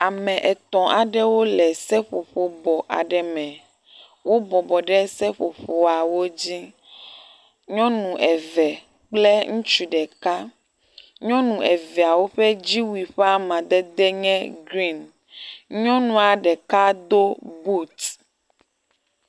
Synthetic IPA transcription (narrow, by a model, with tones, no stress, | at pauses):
a˨mɛ̃˨ʔɛ˨t̪ɔ̃˨ʔa˨ɖɛ˦wo˦lɛ˨sɛ˦ɸo˨ɸo˨bɔ˨ʔa̰˨ɖɛ˨mɛ̃˨ | wo˦bɔ˨bɔ˨ɖɛ˦sɛ˦ɸo˨ɸo˨a˨wo˦d͡ʑi˦ | ɲɔ̃˦nũ˨ʔɛ˨vɛ˨ | k͡ple˦ŋũ˦t͡ʃu˨ɖɛ˨ka˦ | ɲɔ̃˦nũ˨ɛ˨vɛ˨a˨wo˦ɸeɛ˦d͡ʑi˦wi˨ɸe˦a˦mã˨d̪ɛ˦d̪ɛ˦ɲɛ̃˦ɡɾi˦˨n | ɲɔ̃˦nũ˨a˨ɖɛ˨ka˦d̪o˦bu˦t̪